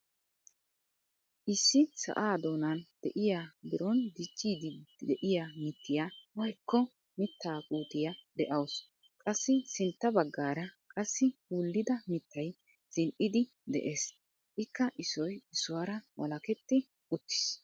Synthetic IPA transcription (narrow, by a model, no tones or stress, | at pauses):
ʔɪsːɪsɐ̰ʔaːd̪o̞ːnɐnd̪̥ɛʔɪjaːb̪ɪɾɔnd̪ɪt͡ʃːiːd̪ɪd̪ɛʔɪjamɪt̪ːɪjaːwɐjkːɔ | mɪt̪ːaːkʼuːt̪ɪjad̪ɛʔɐws | kʼɐsːɪsɪnt̪ːɐbɐɡːaːɾɐkʼɐsːɪwʊlːɪd̪ɐmɪt̪ːɐj | z̥ɪnʔɪd̪ɪ | d̪ɛ̰ʔe̞ːs | ʔɪkːɐʔɪsɔjɪsʊwɐɾɐwʔɐ̰lɐkɛt̪ːɪ | ʊt̪ːɪ̥s